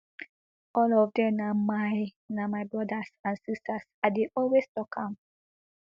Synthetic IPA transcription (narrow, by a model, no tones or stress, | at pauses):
ɔlɔvdɛ̃mnamaj | namaɪbɹɔdasãnsistasadeʔɔlweztɔkʰãm